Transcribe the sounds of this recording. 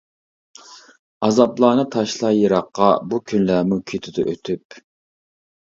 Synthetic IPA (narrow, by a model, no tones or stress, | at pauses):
ɑzɑplˠɑːnɨt̪ʰɑʃlˠɑjəɾɑqːɑbukʲʰynlæmukʲʰyt̪ʰɪd̪ʊ̰ʔøt̪ʰyp